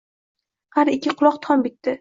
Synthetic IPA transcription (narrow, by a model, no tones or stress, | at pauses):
haɾɪkʲʰːɪqʰʊlˠɒqt̪ʰɒnbɪt̪ːɪ